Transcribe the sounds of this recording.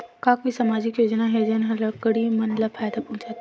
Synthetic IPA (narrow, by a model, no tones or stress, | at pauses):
kãːkoisamaːd͡ʒɪkjoːd͡ʒnaɦed͡ʒenɦɐlɐkəɽimɐnlapʰaːjd̪apɐɦũt͡ʃat̪